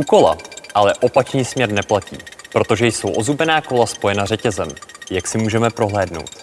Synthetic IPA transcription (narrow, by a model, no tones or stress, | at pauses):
uːko̞la̰ʔalɛʔo̞pat͡ʃɲiːsmɲɛɾnɛplacḭːpɾo̞t̪o̞ʒɛjso̞wʔo̞zubɛnaːko̞laspo̞jɛnarɛcɛzɛmjaksɪmuːʒɛmɛpɾo̞ɦlɛːdno̞̰wt̪